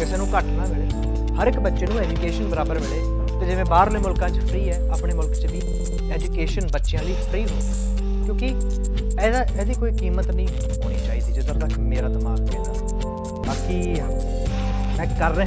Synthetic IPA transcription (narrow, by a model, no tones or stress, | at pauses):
kɪseːnũːkəʈʰnaːmɪɭeː | həɾɪkbətːʃeːnũːɛːd͡ʒuːkeːʃənbəɾaːbəɾmɪɽeː | t̪eːd͡ʒɪʋẽːbaːɾlẽːmʊlkãːt͡ʃəfʰɾiːɛːaːpɳeːmʊlkt͡ʃbiː | ɛːd͡ʒuːkeːʃənbətːʃɪjãːliːpʰɾiːɦoːa | kjõːkɪ | ɛːd̪aːʔɛːd̪iːkoːiːkiːmət̪nəĩː | ɦoːñiːt͡ʃaːiːd̪iːd͡ʒɪd̪əɾd̪aːkemeːɾaːd̪ɪmaːɡkeːt̪aː | baːki | mɛ̃ːkəɾːeː